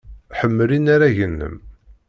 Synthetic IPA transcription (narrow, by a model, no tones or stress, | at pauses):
ħəmːlinaɾaʝənːə̰m